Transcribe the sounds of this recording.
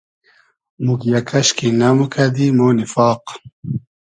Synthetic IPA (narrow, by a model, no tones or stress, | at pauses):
muɡjakʰaʃkinamukʰad̪imownifɑːq